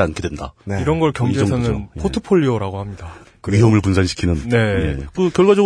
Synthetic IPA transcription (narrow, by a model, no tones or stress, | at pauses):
ankʰedwenda̰niɾʌnɡʌɭkjʌŋd͡ʑesʰanɯnpʰotʰɯpʰoʎːioɾaɡohamɲidakɯiɦomɯɭpunsʰanɕʰi̥kʰinɯnne̞ekɯkjʌɭɡwad͡ʑʌɡ